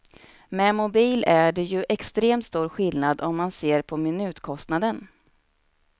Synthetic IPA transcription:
mɛmʊbiːlæɖɛjɵʔɛkst̪ɾeːmt̪st̪uːɾɧɪlnad̪ɔmːanseːɾpʰɔmɪnʉ̟ːt̪kʰɔst̪nad̪ən

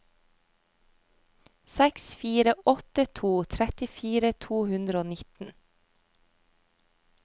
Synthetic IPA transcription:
sɛksfiːɾəʔɔt̪ət̪ʰuːt̪ʰɾɛt̪ɪfiːɾət̪ʰuːhʉnd̪ɾəoːnɪt̪n̩

